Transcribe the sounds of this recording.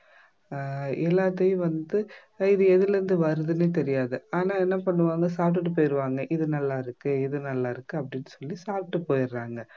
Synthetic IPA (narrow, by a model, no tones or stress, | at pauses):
ɛlːaːt̪ːɐjɯ̃ʋɐnd̪ɯ | ɪðɯɛðɪlɐɾɯnd̪ɯʋɐɾɯðɯneːt̪ɛɾɪjaːðɯaːnaːɛnːɐpɐɳːɯʋaːŋɡɐsaːp̚ʈ̬ːɯʈ̬ːɯp̬oːjɪɾɯʋaːŋɡɐʔɪðɯnɐlːaːɪɾɯkːɯɪðɯnɐlːaːɪɾɯkːɯɐpːɐɽɪnːɯsɔlːisaːp̚ʈːɯpoːjɪɾːaːŋɡɐ